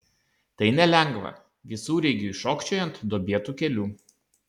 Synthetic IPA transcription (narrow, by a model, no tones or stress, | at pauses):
t̪ɐɪnʲɛlʲɛŋɡʋɐ̰ | ʋʲɪsuːɾʲɛɪɡʲuːʃoːkʃʲt͡ʃʲoːjɛnt̪d̪oːbʲeɛt̪uːkʲɛlʲuː